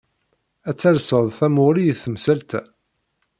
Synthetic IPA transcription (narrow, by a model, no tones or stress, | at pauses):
æt͡sːæɾsəðˤθæmʊʁlijθəmsælt̪æ